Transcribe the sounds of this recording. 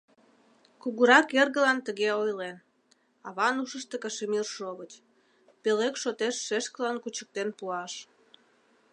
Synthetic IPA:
kuɣuɾɑkerɣəlɑnt̪əɣeojlen | ɑβɑnuʃəʃt̪ekəʃemirʃoβət͡ɕ | pelekʃot̪eʃːeʃkəlɑnkut͡ɕə̥k̚t̪enpuɑʃ

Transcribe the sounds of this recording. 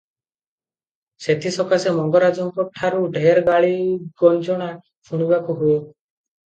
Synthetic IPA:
set̪ʰisɔkasemɔŋɡɔɾad͡ʒɔŋkɔʈʰːaɾuɖʱeɾɡaɭiɡɔld͡ʒɔɽ̃a | pʰuɽ̃ibakuɦue

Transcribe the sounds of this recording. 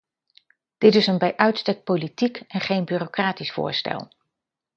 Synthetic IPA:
d̥ɪtɪsənbɛjʔœɥtstɛk̚politikɛnχejnbyːrokraːtisfʊ̰ːɹstɛ̰lˠ

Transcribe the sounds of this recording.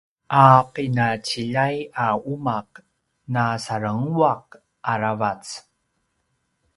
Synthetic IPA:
ʔaqinat͡ɕiʎajaumaq̚ | nasaɾəŋwaq̚ | ʔaɾavat͡s

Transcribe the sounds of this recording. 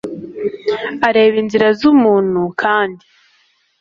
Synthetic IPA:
aɾe̞ːβiːnziɾazumuːn̥hukʰaːndi

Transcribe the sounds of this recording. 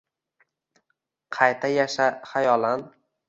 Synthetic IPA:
qʰɑjt̪ʰajaʃaχajɒlan

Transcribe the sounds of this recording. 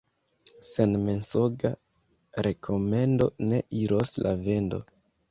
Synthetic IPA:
senme̞nsoɡa | ɾe̞kʰo̞me̞ndo̞ne̞ʔiɾoslʔa̰ve̞ndo̞̰

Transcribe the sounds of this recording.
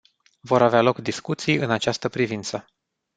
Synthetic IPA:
vo̞ɾavealo̞kd̪iskut̪sijɨnat͡ʃast̪əpɾivint̪sə

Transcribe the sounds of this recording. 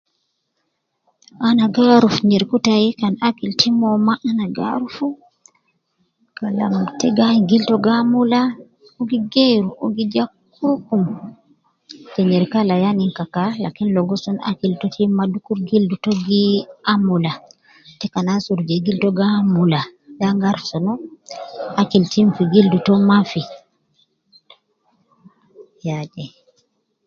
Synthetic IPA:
ʔanaɡaɾufɲɛɾkutajikanakiltimɔmaʔanaɡa̰ɾufu | kala̰mtɛɡaɲɡiltɔɡamula | oɡiɡeɾuʔoɡid͡ʒakː | ukum | tɛɲɛɾkalajaniŋkakala̰kinlɔɡɔsɔna̰kiltotʰimadukuɾɡildutɔɡiamula | tɛkanasuɾd͡ʒɛɡiltɔɡamuladaŋɡaɾsɔnɔ | akiltimfiɡildutɔmafi | jad͡ʒɛ

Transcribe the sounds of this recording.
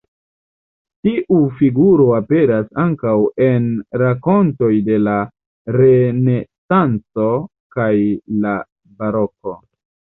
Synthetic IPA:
tiʔufiɡuɾo̞ape̞ɾasaŋkawe̞nɾako̞nto̞jde̞la | ɾe̞ne̞sant͡so̞ | kajla | baɾoko̞

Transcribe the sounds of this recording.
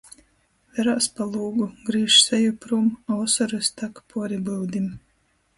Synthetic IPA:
vɛɾaːspalˠuːɡuɡɾiːʃsɛjupɾumawsɔɾɨst̪akpʰuɔɾibɨwd̪ʲim

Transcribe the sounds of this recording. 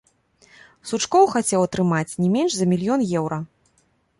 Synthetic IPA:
sut͡ʂkɔwxat͡sʲɛwɐt̪ɾɨmat͡sʲnʲɛmʲɛnʂzɐmʲilʲjɔnjɛwɾɐ

